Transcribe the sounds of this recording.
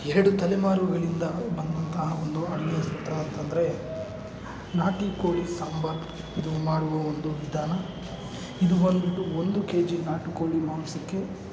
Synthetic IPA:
ɛɾɐɽut̪ɐlɛmaːɾʋuɡɐɭind̪ɐbɐnd̪ɐnt̪ɐɦɐond̪uɐɽiɡjɐsut̪ɾɐɐnt̪ɐnd̪ɐɾe̞ | naːʈikoːɭisɐmbɐɾb | id̪umaːɽuʋɐond̪uʋid̪ʱaːnɐ | id̪uʋɐnd̪id̪uond̪ukeːd͡ʒinaːʈikoːɭimaːnsɐkːe̞

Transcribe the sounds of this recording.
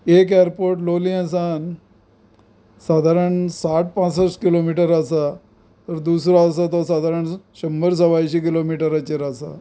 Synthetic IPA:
ekeɾpoɾʈloliãsan | sad̪ʱaɾəɳsaʈ̚pãt͡səskilomiʈəɾasa | t̪əɾd̪usɾoːs̬at̪ɔsad̪ʱaɾəɳɕəmbəɾs̬əʋajɕik̬ilomiʈəɾat͡ɕeɾasa̰

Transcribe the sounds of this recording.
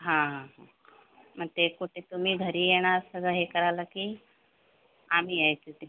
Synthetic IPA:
ɦãɦãɦã | mɐnt̪ekuʈet̪umĩbʱəɾieɽ̃asəɡəɦekəɾalaki | aːmiajt̪ut̪

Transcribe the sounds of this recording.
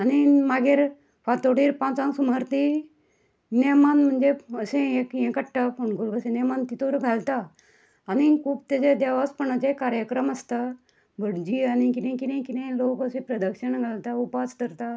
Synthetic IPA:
animaɡeɾ | fat̪oɽiːɾpãt͡sãŋsumaɾt̪i | nemanm̤əɳd͡zeəsẽekjẽkəʈːapʰoɳɡulɡəsẽnemant̪it̪oɾɡʱalt̪aː | ñikʰuːbt̪ed͡ʑed̪aʋaspəɳət͡ɕẽkaɾjəkɾəməst̪a | bʱəɽd͡ʑiañikit̪ẽkit̪ɛ̃kit̪ẽlokəsẽpɾəd̪əkʂəɳɡʱalt̪aupaskəɾt̪a

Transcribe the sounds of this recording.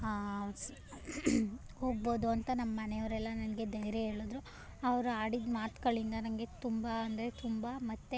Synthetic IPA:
ho̞ːɡ̚bo̞ːd̪uɐnt̪ɐnɐmːɐnejɐʋɐɾɛlːɐnɐnɡe̞d̪ɐjɾeɦe̞ːɭod̪ɾu | ɐʋɐɾuaːɽid̪maːt̪kɐɭind̪ɐnɐmɡe̞t̪umbɐɐnd̪ɐɾet̪umbɐmɐt̪ːe

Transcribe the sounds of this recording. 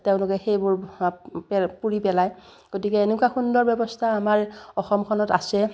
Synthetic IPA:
teʊ̃nlʊkɛxejbʊɹpɛpuɹipɛlaj | ɡ̥otikɛenukwaxundɔɹbjɔbɔstʰaːmaɹɔxɔmkʰɔnɔta̰sɛ

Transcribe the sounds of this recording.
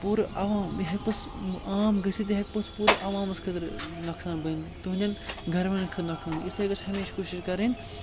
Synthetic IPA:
puːɾɨʔɐʋaːmɦɐk̚ʲpɐsaːmɡɐsit̪iɦɐk̚ʲpɐspuːɾɨʔɐʋaːmɐskʰɐd̪ɐɾnɐksaːnbɐnt̪uɦnʲd̪ʲɐnɡʱɐɾmɐnkʰɨnɐksaːnisɐɡɐt͡ʃhɐmeːʃkoːʃiʃkɐɾin

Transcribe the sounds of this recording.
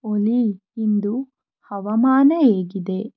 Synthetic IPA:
oli | ind̪u | hɐʋɐmaːnɐeːɡid̪e̞

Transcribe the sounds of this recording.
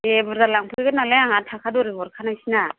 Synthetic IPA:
ebɔɾzalaŋpʰɡɯɡɯnalajaŋatʰakʰadɔɾebɔɾkʰanajsina

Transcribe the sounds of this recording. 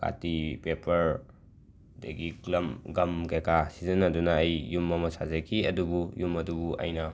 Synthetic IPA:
kʰa̰tipepʰɐɾ | dɐ̰ɡiklɐmɡɐmkajkʰasizɐnɐdunɐːjːumɐmɐsazɐkʰiɐdubujumɐdubuʔɐ̰jnɐ

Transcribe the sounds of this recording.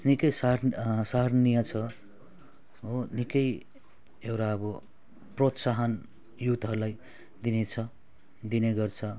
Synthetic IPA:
nikʌjsasarnijʌt͡sʰʌ | onikʌj | ewɾaʌbʌ | prot̪saɦʌn | jut̪ɦʌɾulaj | d̪inet͡sʰʌ | d̪ineɡʌrt͡sʰʌ

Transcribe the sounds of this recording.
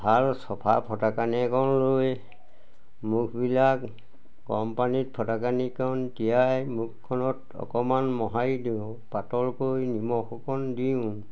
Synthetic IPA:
bʱalsɔpʰa̰pʰɔtakanɛɛkʰɔnloj | mukʰbilak | ɡɔmpanit̚pʰɔtakanikɔntijajmuk̚ʰːɔnɔt | ɔ̰kɔmanmɔɦajdiʊ̃ | patɔlkojnimɔxɔkɔndiʊ̃

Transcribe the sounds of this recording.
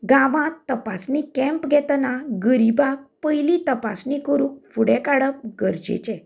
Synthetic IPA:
ɡãʋãt̪ːəpasnikɛ̃mpɡʱɛt̪naɡəɾibak̚pəjlit̪əpasnikəɾũːk̚fuɽɛ̃kaɽəp̚ɡəɾd͡ʑḛt͡ɕɛ

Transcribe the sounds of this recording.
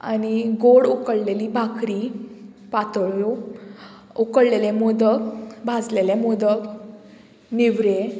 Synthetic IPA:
a̰niɡoɽukəɽleliːbʱakɾi | pat̪ɭo | ukəɽlelemod̪əkbʱad͡zlelamod̪ək | niʋɾe

